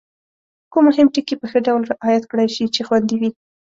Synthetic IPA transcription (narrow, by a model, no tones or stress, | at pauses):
kumʊhɪmʈikipəxəɖawlɾɪʔɑjat̪kɽajʃit͡ʃexwand̪iwi